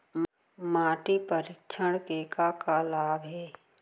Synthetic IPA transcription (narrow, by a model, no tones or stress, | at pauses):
m | maːʈipəɾɪkt͡ʃʰəɽkeːkakalaːbʱɦɛː